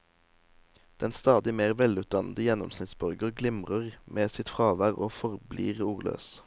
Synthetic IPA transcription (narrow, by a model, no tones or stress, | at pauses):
d̪̥ɛnst̪ɑːd̪ɪmeːʁʋɛlʉːt̪̚d̪ɑnəd̪əjɛnɔ̰msnɪt̪sbœʁɡəʁɡlɪmʁəʁmʔeːsɪt̪fʁɑːʋæʁoːfɔʁblḭːʁuːʁlø̰ːs